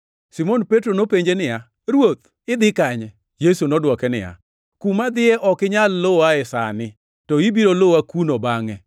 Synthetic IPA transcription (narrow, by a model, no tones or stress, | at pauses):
simonpetɾonopeɲd͡ʒenɪja | ɾwot̪̚ | ɪd̪ɪkaɲɛ | jesunɔdwɔkɛnɪ̰ja̰ | kumad̪ɪɛʔɔkɪɲalːoaɛsa̰nɪ | tɔibiɾoloakunobaŋɛ